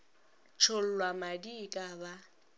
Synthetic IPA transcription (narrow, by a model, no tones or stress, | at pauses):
t͡ʃʰol̩lwamadikʼaba